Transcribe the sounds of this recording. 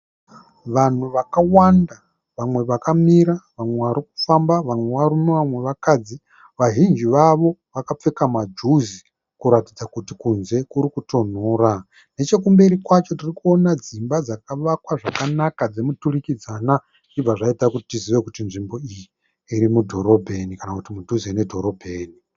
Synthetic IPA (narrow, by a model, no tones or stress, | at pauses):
ʋan̤uʋakawanda | ʋamwe̞ʋakamiɾaʋamwe̞ʋaɾik̚u̥fambaʋamwe̞ʋarumiʋamwe̞ʋakad͡zi | ʋaʒind͡ʒiʋaʋo̞ʋakap͡fe̞kamad͡ʒuzi | kuɾatid͡zakutikunze̞kuɾikuto̞n̤oːɾa | ne̞t͡ʃe̞kumbe̞ɾikwat͡ʃo̞tirikuo̞nad͡zimbad͡zakaʋakwaʐakanakad͡zemuturikid͡zana | d͡ʒib͡vaʐaitakutitiziʋe̞kutinʐimbo̞ijiː | ɾimudʱo̞ɾo̞bʱe̞nikanakutimud͡ʒʱuziene̞dʱo̞ɾo̞bʱe̞ːni